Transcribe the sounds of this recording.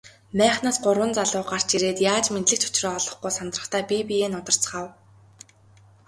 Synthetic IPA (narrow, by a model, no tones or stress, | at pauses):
mæːχnaːsɢʊrwə̆nt͡saɮʊːɢar̥t͡ɕiɾeːt̪jaːt͡ɕment̪ɮɘ̆k̚t͡ɕʰʊ̥t͡ɕrɔːɔɮɞ̆χɡujsant̪rə̆χt̪ʰæːpʲipijeːnʊt̪ə̆r̥t͡sχaw